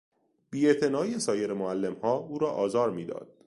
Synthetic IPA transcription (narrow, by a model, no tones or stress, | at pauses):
b̥iːe̞ʔt̪ʰe̞nɒːiesɒːjeɾemoælːe̞mhɒːuːɾɒːʔɒːzɒːɾmiːd̪ɒ̰ːd̪̥̚